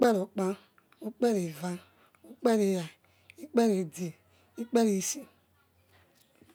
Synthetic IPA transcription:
k͡pɛ˦ɾo˨k͡pã˦ | u˦k͡pɛ˦ɾe˨va˦ | u˦k͡pɛ˦ɾe˨ja˨ | i˦k͡pɛ˦ɾe˨de˨ | i˦k͡pɛ˦ɾi˨si˦

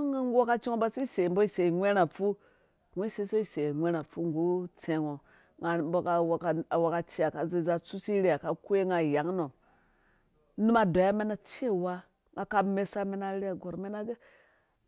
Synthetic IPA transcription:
ŋa˦wo˦ka˦t͡ʃi˦ŋo˦ba˦si˦i˦˨se˨mbo˦i˦se˨ŋʷe˦ɾa˨fu˦ | ŋʷe˦se˦so˦i˨se˨ŋʷe˦ɾa˨fu˦ŋɡu˦t͡se˨ŋo˨ | ŋa˨bo˨ka˨wka˨wa˨ka˨t͡ʃi˦a˨ka˨ze˦˨za˦t͡su˦si˦ɾe˦a˨ka˨kʷe˦ŋa˨ja˨˦ŋ˦no˨ | nu˦ma˨da˨˦a˦me˦na˦t͡ʃe˦˨wa˦ | ŋɡa˨ka˦me˦sa˦me˦na˦ɾe˦a˨ɡo˨ɾme˦na˦ɡe˦

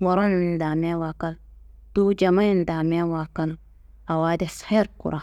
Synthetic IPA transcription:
wa˨ɾa˦nnda˨mɛ˦wakal | tu˦d͡ʒa˨ma˦ji˦nda˨me˦wa˨ka˦l | a˨wa˦dɛshe˦ɾkṵ˨ɾʔa

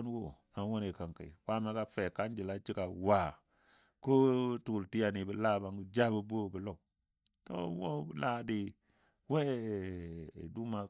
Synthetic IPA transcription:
n˦wo˦˨na˨˦wo˦ne˨ka˨ŋka̰˨i˨wa˦me˨˦ka˦fe˨ka˦nd͡ʒi˨la˦t͡ʃi˦ka˨wa˨ | ko˦tu˨u˨lti˦a˨ni˨bi˨la˦˨ba˨ŋɡu˦d͡ʒa˦bu˦bo˦˨bi˨lo˦˨k̚ | to̰˦wo˦bi˨la˦di˦ | we˦˨ | du˦ma˨

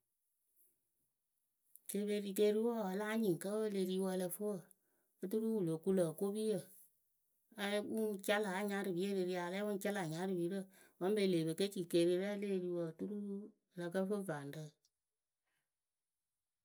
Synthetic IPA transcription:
ke˧˨be˧ɾi˧ke˧ɾi˦wɔ˦˨ə˧laː˦ɲĩ˨ŋ˨kə˦wə˦˧le˧ɾi˧wə˧lə˧fo˦wə˨ | ɨ˦t̬u˦ɾu˦wu˨lo˨ku˧˦lə˨ko˦bi˦jə˨ | a˨˧lɛ˦wu˦n˦t͡ʃa˦la˨˦ɲa˧˦ɾɨ˨bi˨˦e˦ɾe˧ɾi˧˦a˨˧lɛ˦wu˦n˦t͡ʃa˦la˨ɲa˨˦ɾɨ˨bi˨˦ɾə˦˨ | wə˦m˦be˧le˨be˨ke˦t͡ʃi˨ke˧˨ɾi˧˦ɾa˦le˦˨ɾi˧wə˧˨˦tu˦ɾu˦ɾu˦˨˧ | lə˧kə˦fo˦va˨n˨də˦

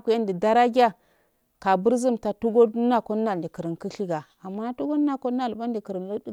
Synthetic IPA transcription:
ku˦ja˦ndi˨da˦ɾa˦ɡʲa˦ | ka˨bu˦ɾzi˦mta˨tu˦ɡo˦dna˦ko˦na˨di˨kə˨ɾi˨nki˦ɬi˦ɡa˨ | a˨mːa˦na˦tu˦ɡo˦na˦ko˦a˦˨lba˦n˦di˨kə˨ɾə˨nl

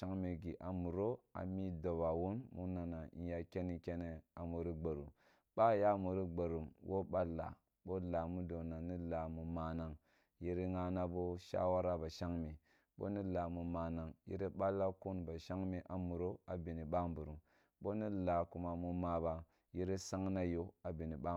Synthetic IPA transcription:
a˦ŋmi˨ɡi˨ʔa˨mu˨ɾo˦a̰˨mi˦do˨ba˨wu˦nmu˦na˨na˨ḭ˨ja˨kʲe˦ni˨ke˦ne˨a˨mu˨ɾi˦ɡ͡ba˨ɾṵ˨m | ɓa˦ja˦mu˨ɾi˦ɡ͡ba˨ɾu˨mwʔo˦ɓa˦lːa̰˨ | ɓo˦la˨mu˦do˨na˨ni˦la˨mu˨ma˨na˨ŋ | ji˦ɾi˦ŋa˦na˦bo˦ʃa̰˦wa˦ɾa˦ba˨ʃa˦ŋmi˨ | ɓo̰˦ni˦la˨mu˨ma˨na˨ŋjḭ˦ɾi˦ɓa˦lːa˦ku˦nba˨ʃa˦ŋmi˨ʔa˨mu˨ɾo˦a˨bi˨ni˨ɓa˦mbu˨ɾu˨m | bo˦ni˦la˨ku˨ma˨mu˨ma˨ba˨ | ji˦ɾi˦sa˦ŋna˦jo˦a˨bi˨ni˨ba˦

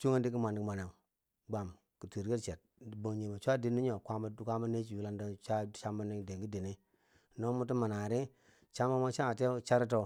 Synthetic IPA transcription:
t͡ʃu˦ŋe˦di˦ki˦ma˨ni˨kma˨ne˨ŋ˨ | ɡ͡ba˨m | ki˨ti˨ɾɡe˦ɾt͡ʃe˨t̚ | bə˨ŋ˨ɲi˨ma˨t͡ʃʷa˦di˨ni˦ɲo˨kʷa˦ma˨˦˨kʷa˦ma˦ne˦t͡ʃi˨u˦la˦nda˦t͡ʃa˦˨t͡ʃa˦mba˦ni˦de˨ŋɡi˦di˨ni˦˨ | no˦mu˦t̬u˦ma˨na˨ɾi˦ | t͡ʃa˦ma˦ma˦t͡ʃa˦a˨te˦t͡ʃa˦ɾi˦t̬o˦

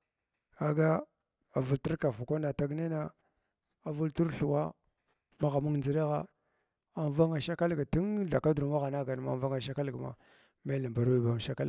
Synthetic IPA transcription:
a˨ɡa˦ | a˨vu˨ltu˦ɾka˨fu˨kʷa˦na˨ta˦ɡne˦na˦ | a˨vu˦ltu˦ɾɬu˨wa˦ | ma˦ɣa˨mu˦ŋnd͡zi˨ɾa˦ɣa˦ | a˨ɱ˦va˦ŋa˨ʃa˦ka˦lɡa˨ti˦ŋɮa˨ka˦du˨ma˦ɣa˨na˦ɡa˨n˨ma̰˨˦va˦ŋa˨ʃa˦ka˦lɡma̰˨ | me˦lə˨mba˨ɾwi˦˨ba˨m˨ʃa˦ka˦l

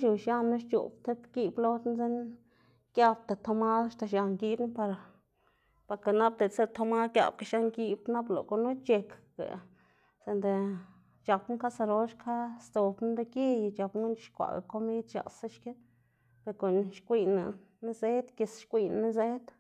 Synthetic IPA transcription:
ʃu˨ʃa˦nːa˦ʃt͡ʃṵ˨bt̪e˦bɡi˧blo˦t̪n˦ze˦n | ɡja˧bt̪e˨t̪ʰo˧ma˦d̪ʃt̪a˧ʃa˧ŋɡi˧˦bn˦pa˧ɾ | pa˧ɾka˧na˦b̚d̪e˨t͡se˦t̪ʰo˧ma˦kja̰˧b̚ka˨ʃa˧ŋɡi˧bna˦blo̰˨ko˧nu˦t͡ʃe˧kɡa̰˨ | se˧nd̪e˨ | t͡ʃa˨pnu˦ka˦sa˧ɾo˦ʃkʰa˦st̪o˨bn˦d̪e˧ki˦jt͡ʃa˨pŋɡu˦n˦ʃkʷa̰˨ɡa̰˨ko˦mi˦d̪ʃa̰˨sa˦ʃke˦ | pe˧ɾko˨nʃkʷi˧na̰˨ | ni˦ze˦d̪ke˧sʃkʷi˧nni˦ze˦t̪

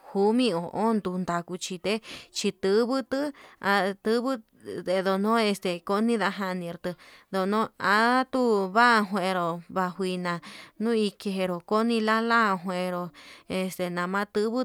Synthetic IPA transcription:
hu˧˦mĩ˦o˨ʔo˦nd̪u˧nd̪a˧ku˧t͡ʃi˧t̪e˦t͡ʃi˧t̪ɨ˧˦βɨ˦t̪ɨ˦a˧t̪ɨ˦βɨ˦ | e˧ðo˧nõ˦e˧st̪e˨ko˦nĩ˦ða˧ɦã˧nĩ˧˨˧ɾt̪ɨ˧ðo˧nõ˦a˧˦t̪u˦βa˦˧ɦwẽ˧ɾo˨βa˧hwi˧nã˨nũ˦i˧ke˧ɦe˧ɾo˨ko˦nĩ˧la˦lã˦˧ɦwẽ˧ɾo˨e˧st̪e˧˨nã˨mã˦t̪ɨ˦βɨ˦

